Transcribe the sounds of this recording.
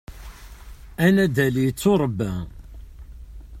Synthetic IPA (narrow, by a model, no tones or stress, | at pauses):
ænæd̪ælijət͡sːʊɾˤəbːæ